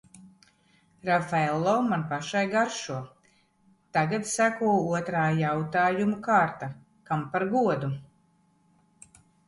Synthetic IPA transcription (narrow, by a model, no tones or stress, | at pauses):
ɾafɛlˠːɔwmanpaʃajɡaɾʃuɔ | t̪aɡat̪sækuɔuɔt̪ɾaːjawt̪aːjumukaːɾt̪a | kampaɾɡuɔd̪u